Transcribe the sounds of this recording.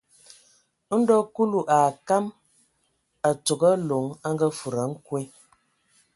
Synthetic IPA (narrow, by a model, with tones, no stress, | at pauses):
n̩˦dɔ˦ku˦lu˨ʔa˨ka˦m | a˨t͡so˨ɡə˦lo˨˦ŋa˦ŋ˦ɡə˦fu˨ɾa˨˦ŋ̩˦kwe˦